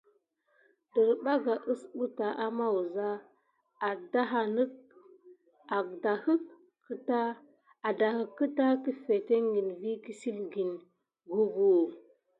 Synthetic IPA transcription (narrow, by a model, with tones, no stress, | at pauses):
də˨ɾba˦ɡa˨ʔə˦sɓu˦ta˨ʔa˦ma˦wu˨za˦ | a˨da˦ɦa˨nə˦k | a˨ɡda˨hə˦kː | ə˦ta˦ | a˨da˨hə˨kːə˦ta˦ki˦fe˨te˦ŋɡi˨nvi˦ki˦si˦lɡi˨n | ɡu˦ɡu˨